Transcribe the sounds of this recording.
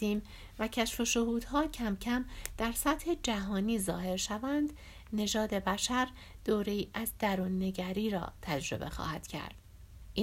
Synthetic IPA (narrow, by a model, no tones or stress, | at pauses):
iːm | væcʰæʃfo̞ʃohuːd̪̥ɦɒːcʰæmcʰæmd̪̥æɾsæt̪he̞d͡ʒæɦɒːniːzɒːhe̞ɾʃævænd̪̥ | ne̞ʒɒːd̪e̞bæʃæɾ | d̪̥oːɾe̞iːʔæzd̪æɾuːnːe̞ɟæɾiːɾɒ̰ːt̪ʰæd͡ʒɾo̞̰be̞̰xɒ̰ːhæd̪̥cʰæ̰ɾd̪̥ | ʔi